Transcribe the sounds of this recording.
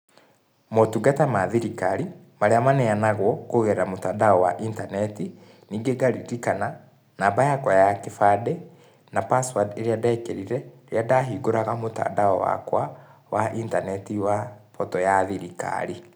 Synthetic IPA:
motuɡatamaðiɾikaɾi | maɾeamanɛanaɣwɔkoɣɛɾamotaːdaɔwa̰ʔintanɛti | niːŋɡeɡaɾiɾikana | nabajakwajakefadɛ | napaswadeɾeadaekɛɾiɾɛeɾeadaɦiɡoɾaɣamota̰ːdaɔwa̰kwawaʔintanɛtiwapɔtɔjaðiɾika̰ɾi

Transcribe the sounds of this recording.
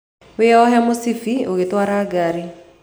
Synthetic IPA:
weɔɦɛmosifioɣetwaːɾaːɡaɾi

